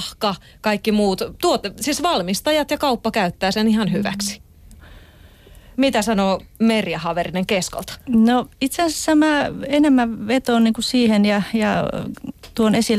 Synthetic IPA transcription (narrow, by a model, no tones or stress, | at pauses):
hkɑ | kɑikːimuːt̪t̪uot̪siːsʋɑlmist̪ɑjɑt̪jɑkɑupːɑkæyt̪ːæːsenihɑnhyʋæ̰ksi̥ | mit̪æsɑnoːmerjɑhɑʋerineŋkesko̰lt̪ɑ̥noit̪seæsesːæmæːenemːæʋʋet̪oːnniːŋkussiːhenjɑjɑ̰ | t̪uonesil